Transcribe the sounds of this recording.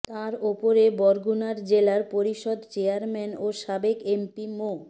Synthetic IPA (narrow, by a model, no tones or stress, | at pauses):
t̪aɾopoɾebɔɾɡunaɾd͡ʑelaɾpoɾiʃod̪t͡ɕeaɾmɛnoʃabekempimo